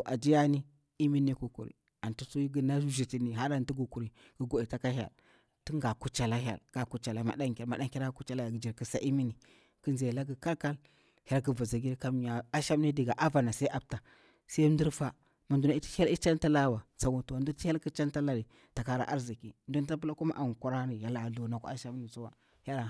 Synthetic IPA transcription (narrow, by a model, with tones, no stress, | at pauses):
to˨ʔa˨d͡ʒi˦ja˦ni˦ | i˦mi˦ni˦ku˨kṵ˨ɾḭ˨ | a˨ntu˦su˦ji˦ɡi˨na˦u˦ʒi˨ti˨ni˨ɦa˦ɾa˨nti˦ɡu˨ku˨ɾi˨ | ɡ̥ə˨ɡo˨i˨ta˦ka˦ɦa̰˨l | tu˦ŋɡa˨ku˦t͡ʃa˨la˦ɦa̰˨lɡ̥a˨ku˨˦t͡ʃa˨la˨ma̰˨da˦ŋkʲa˨lma˨ɗa˦ŋ˦kʲa˦ɾa˦ku˦t͡ʃa˦la˦a˨ɡi˨d͡ʒi˨ɾki˨sa˦ʔi˦mi˦ni˨ | ki˦nze˨la˦ɡi˨ka˦lka˦l | ha˦lkə˨va˨za˨ɡi˦ɾka˦m˨ja˨a˦ʃa˦m˦ni˦di˨ɡa˨ʔa˦va˨na˨sa˦i˦ʔa˦b̚ta˨ | sa˦n˦du˦ɾfa˦ | ma˨ndu˨na˨i˦ti̥˦ha˦li˦t͡ʃa˦nta˦la˦wa˨sa˨ɡu˨tu˨wa˨n˦du˦ti˦a˦lki˦t͡ʃa˦nta˦la˦˨ɾi˨ | ta˨ka˦ɾa̰˨ʔa˦ɾzi˨ki˨ndo˦n˦ta˦p̬u˦la˦ku˦ma˦ʔa˨ŋ˨kʷu˦ɾa˦ni˨ja˨la˨ɮu˨na˨kṵ˦a˦ʃa˦m˦ni˨su˦wa˨ | ha˦l